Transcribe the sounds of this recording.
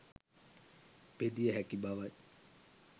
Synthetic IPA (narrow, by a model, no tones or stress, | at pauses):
ped̪ijəɦækibaʋaj